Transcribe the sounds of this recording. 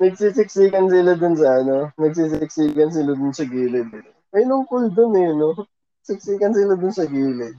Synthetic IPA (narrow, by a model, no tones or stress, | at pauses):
nɐɡ̚sisɪk̚siːkɐnsɪlad̪ʊnsɐɐnonɐɡ̚siːsɪɪk̚siːkɐns̬ɪlad̪ʊnsɐɡiːlɪd̪̚ɪn | ɐjnʊŋkʊld̪onɛno | ɐɡ̥̚sɪk̚siːkɐnsɪlad̪ʊnsɐɡiːlɪd̪̚